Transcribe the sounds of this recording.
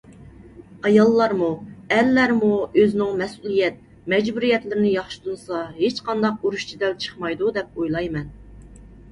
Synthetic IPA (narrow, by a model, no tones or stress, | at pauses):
ɑjɑlˠːɑɾmuɛlːæɾmuøznɪŋmɛsulˠijɛt̪̚ | mɛd͡ʒbuɾijɛt̪lɪɾɪnɪjɑχʃu̥t̪ʰunsɑɦet͡ʃqɑnd̪ɑq̚uɾuʃt͡ʃʰid̪ɛlt͡ʃʰə̥χmɑjd̪ud̪ɛp̚ojlˠɑjmɛn